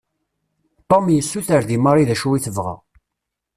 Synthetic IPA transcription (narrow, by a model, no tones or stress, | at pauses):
t̪ˤːomjəsːuθəɾðimaɾˤiðæʃuwiθəvʁa̰